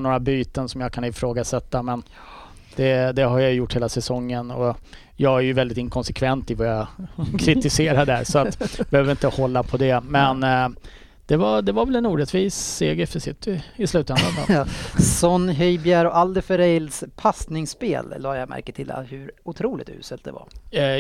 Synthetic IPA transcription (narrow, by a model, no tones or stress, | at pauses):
noːɾabyːt̪ənsɔmjakʰanɪfɾoːɡasɛt̪ːamɛn | d̪̥ɛd̪ɛɦaɾjajʏjʊʈːheːlasɛsɔŋːənɔ | jɑːɡæɾjɵvɛld̪ɪt̪ɪŋkʰɔnsɛkʰvɛnt̪ɪvajakʰɾɪt̪ɪseːɾaɖæɾsɔat̪jbɛhøːvəɾɪnt̪əhɔlːapʰɔd̪ɛmɛnː | d̪̥ɛvad̪ɛvaɾvɛlɛnuːɾɛt̪viːsːeːɡəɾfəsɪt̪ːɪɪslʉ̟ːt̪ɛnd̪ɾaa̰sɔnːɦœjbjæɾɔʔald̪əfœɾɛjlspʰasnɪŋspḛːlːɑːjamæ̰ɾkət̪ʰɪl̰hɵɾʊt̪ʰɾuːlɪ̰t̪ʉ̰ːsəlt̪̚d̪ɛ̰va̰ɾ